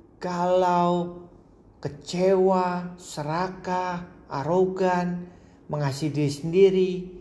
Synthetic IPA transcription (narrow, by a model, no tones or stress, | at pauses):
kalaw | kət͡ʃewasəɾakaʔa̰ɾoɡan | məŋasidisəndiɾi